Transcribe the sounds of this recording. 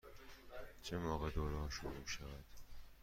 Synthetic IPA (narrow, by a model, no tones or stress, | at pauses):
t͡ʃʰemɒːɣed̪oːɾɦɒːʃuɾumʃævæd̪̥